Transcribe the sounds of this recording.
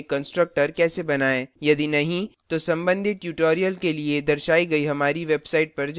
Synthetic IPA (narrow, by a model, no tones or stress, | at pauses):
kɐ̃nsʈɾək̚ʈəɾkɛːsebɐnaːẽːjɐd̪inɐɦĩt̪osɐ̃mbə̃nd̪ʱiʈjuːʈoːɾijəlkelied̪ɐɾʃaːiɡɐiɦɐmaːɾiʋeːbsaːɪʈ̚pɐɾd͡ʒ